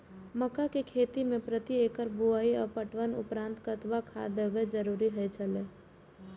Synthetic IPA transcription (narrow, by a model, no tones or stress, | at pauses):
məkakekʰeːt̪imẽpɾət̪ieːkəɾbuaːiɔpəʈʋənʊ̰pɾãːnt̪kət̪ʋakʰa̰ːd̪əʋed͡ʒəɾuːɾiɦɛt͡ʃʰəleː